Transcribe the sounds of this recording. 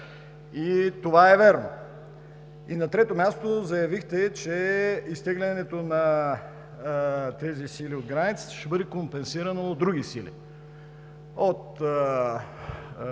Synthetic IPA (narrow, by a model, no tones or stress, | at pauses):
it̪ovaɛvɛɾno | inɐt̪ɾɛt̪omʲjast̪ozɐjɐvixt̪ɛt͡ʃɛist̪ɛɡlʲɛnɛt̪onɐ | t̪ɛzisiliod̪ɡɾanit̪si̥t̪ɛ̥ʃɛbɤd̪ɛkompɛnsiɾɐnoːd̪ɾuɡisilḭ | ot̪